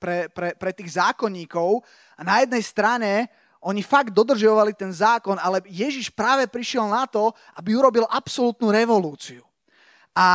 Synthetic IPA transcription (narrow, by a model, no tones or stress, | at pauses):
pɾɛpɾɛpɾɛt̪iːɣzaːkɔɲːiːkɔʊ | anajɛd̪̚nɛjst̪ɾaɲɛ | ʔɔɲifaɡd̪ːɔd̪r̩ʒɔʋalit̪ɛnzaːkɔnalɛjɛʒiʃpɾaːʋɛpɾiʃɪɛlnat̪ɔ | ʔabiuɾɔbilʔapsɔlut̪nuɾɛʋɔluːt͡siu | ʔa